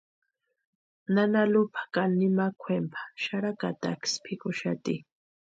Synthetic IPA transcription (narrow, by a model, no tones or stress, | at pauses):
nanalʊpʰḁkalnimakʷʰempʰḁʃaɾakat̪a̰kspʰikʊʃat̪i